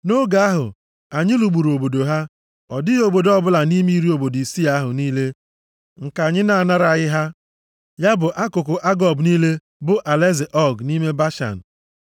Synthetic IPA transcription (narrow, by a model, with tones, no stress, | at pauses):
no˦ɡa˨a˦ɦʊ̰˨ | a˨ɲɪ˦lu˨ɡ͡bu˨ɾo˨bo˨do˨ɦa˦ | ɔ˨dɪ˦o˨bo˨dɔ˦bʊ˦la˨ni˦mi˦ɾi˦o˨bo˨di˨si˦a˦a˦ɦʊ˨niː˦le˦ | ŋ̩˨ka˨ɲɪ˦na˨a˨na˦ɾa˨ɣɪ˦ɦa˦ | ja˦bʊ˨ʔa˦kʊ˨kʊ˨ʔa˦ɡɔ˨bniː˦le˦ | bʊ˦ʔa˨le˦zɪ˨ʔɔ˦ɡni˦me˦ba˦ʃa̰˨n̩˨